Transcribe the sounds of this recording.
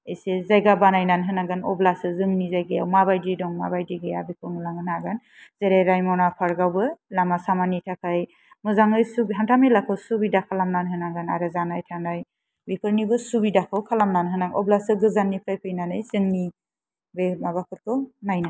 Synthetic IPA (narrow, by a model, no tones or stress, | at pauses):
ejsezajɡabanajnanɦɯnaɡɯnɔblasɯzɯŋnizajɡɯjawmabajdidɔŋmabajdiɡɯjabikʰɯnulaŋɡɯnaɡan | zeɾejɾajmɔnapʰaɾɡawbɯlamasamanitʰakʰaj | mɯzaŋɯjsubɦantʰamelakʰɯwsubidakʰalamnanɦɯnaɡanaɾɯzanajtʰanaj | bipʰɯɾnibɯsubidakʰɯwkʰalamnanɦɯnaŋɔblasɯɡɯzanːipʰɾajpʰɯjnanɯjzɯŋni | bemabakʰɯɾ̚kʰɯnajna